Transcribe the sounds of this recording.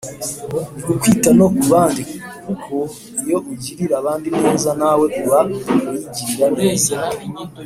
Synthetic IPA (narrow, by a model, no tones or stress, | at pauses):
ɡukwiːtano̞kuβaːndik | kukʰo | ijo̞ʔuɟiɾiɾaβaːndimneːzanawe̞ʔuβaujiɟiɾiɾaneːza